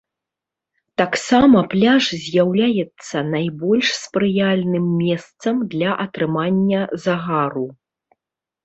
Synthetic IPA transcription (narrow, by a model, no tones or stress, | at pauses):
t̪aksamɐplʲaʐzʲjawlʲajɛt̪sːɐnajbɔlʲʂspɾɨjalʲnɨmːʲɛst̪sɐmd̪lʲɐʔɐt̪ɾɨmanʲːɐzaɣaɾu